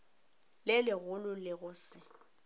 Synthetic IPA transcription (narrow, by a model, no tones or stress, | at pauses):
lɪlɪɣʊlʊlɪɣʊsɪ